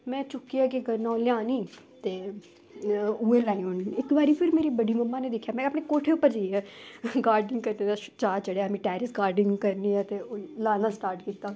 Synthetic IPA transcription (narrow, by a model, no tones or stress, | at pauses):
mɛ̃ːt͡ʃʊkːiaːkɪɡənːãːoljãːniː | t̪eː | uːeːlaːĩoːniːɪkbaːɾiːpʰɪɾmeːɾiːbəɖiːməmːãːneːd̪ekʰːjaːmɛ̃ːəpɳeːkoːʈʰeːʊpːəɾd͡ʒaɛːɡaːɾɖɪŋɡkəɾneːd̪aːt͡ʃaːt͡ʃəɽejaːmĩːʈɛːɾɪsɡaːɾɖɪŋɡkəɾniːɛːt̪eːolaːd̪ãːsʈaːɾʈkiːt̪ːaː